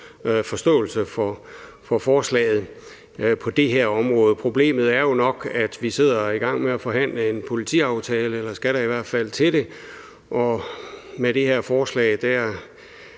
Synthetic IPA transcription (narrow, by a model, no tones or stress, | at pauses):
fɒ̽sd̥ɔ̰ːl̩səfɒ | fɒ̽fɒːslɛ̰ːɪð̞̩ˠ | pʰɒ̽d̥e̝ɦeɐ̰ɒ̽mʁɔ̽ːðˠəpʰʁo̝b̥le̝̰ːmð̞̩ˠæɐjo̝nɒ̽ɡ̥æd̥ʋise̝ð̞̰ˠɐiɡ̥ɑ̈ŋ̰meæfɒ̽ɦæn̰ləe̝npʰo̝lit͡sʰḭːɑ̈ʊt͡sʰɛːləelɐsɡ̥æɾɑ̈iʋæɐ̰d̥fæl̰t͡sʰe̝d̥e̝ | ʔɒ̽meɾe̝heɐ̰fɒːslɛ̰ɪd̥æɐ